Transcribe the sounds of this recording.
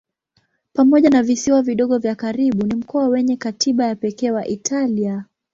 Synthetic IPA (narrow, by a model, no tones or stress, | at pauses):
pamɔʄanavisiwaviɗɔɠɔvjakaɾiɓunim̩kɔawɛɲɛkatʰiɓajapɛkɛːwaʔitʰalia